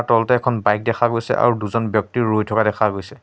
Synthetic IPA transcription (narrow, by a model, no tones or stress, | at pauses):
atɔltɛɛkʰɔnbajk̚dɛkʰaɡojsɛ̰ʔa̰ɹuduzɔnbjɔk̚tiɹojtʰɔkadɛkʰaɡojsɛ